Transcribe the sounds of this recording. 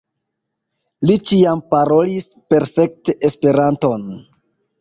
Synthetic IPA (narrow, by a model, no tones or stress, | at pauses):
lit͡ʃiampaɾo̞lis | pe̞ɾfe̞k̚teʔespe̞ɾanto̞n